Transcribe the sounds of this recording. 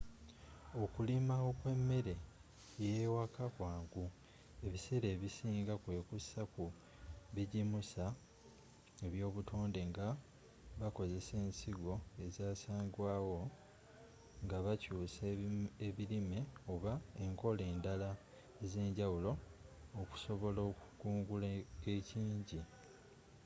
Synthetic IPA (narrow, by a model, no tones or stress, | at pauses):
o̞kulimawo̞kwe̞mːe̞ɾe̞ | jewakakwaːŋɡu | e̞βiseɾe̞ːβisiːŋɡakwe̞ːkusaku | βiɟimusa | eβjo̞ːβutʰo̞ːnde̞ŋɡa | βako̞ze̞se̞ːnsiɡo̞e̞zaːsaːŋɡwaːwo̞ | ŋɡaβacuːseβiɾime̞oβaeŋko̞le̞ːndala | eze̞ːɲɟawulo̞ː | ku̥so̞βo̞loːkukuːŋɡuleeciːɲɟi